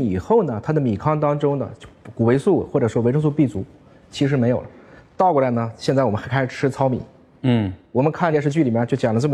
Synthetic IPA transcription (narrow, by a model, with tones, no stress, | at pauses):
i˨˩xo˥˩ʊnə˩t̪ʰa˥d̪ə˨mi˨˩kʰɑ˥ŋt̪ɑ˥ŋʈ͡ʂʊ˥ŋnə̰˨t͡ɕku˨˩we˧˥ɪsu˥˩xwɔ˥˩ʈ͡ʂɤ˨˩ʂwɔ˥we˧˥ʈ͡ʂʰɤ˥ŋs̬u˥˧pi˥˩t͡su˧˥ | t͡ɕʰi˧˥ʂɻ̩˧˥me˧˥ɪjo˨˩ʊlə˦t̪ɑ˥˧ʊkwɔ˥˩la˧˥ɪnə˩ɕjɛ˥˧t͡sa˥˩wɔ˨˩m˦˥xa˧˥kʰa˥ɪʂɻ̩˨˩ʈ͡ʂʰɻ̩˥t͡sʰɑ˥ʊmḭ˨˩˦ | n̩˥˩wɔ˨˩mə˦nkʰa˥˩njɛ˥˧ʂɻ̩˥˧t͡ɕy˥˩li˨˩˥t͡ɕo˥˩ʊt͡ɕjɑ˨˩ŋlə˦ʈ͡ʂɤ˥˩m˧